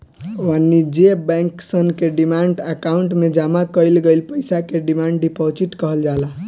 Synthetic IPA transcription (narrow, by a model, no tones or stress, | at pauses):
ʋanːid͡ʒebɛ̃ŋksənkeɖimaɳɖəkauɳʈmed͡ʒamakəɪlɡəɪlpəjsakeɖimaɳɖɖipot͡ʃiʈkəɦəld͡ʒala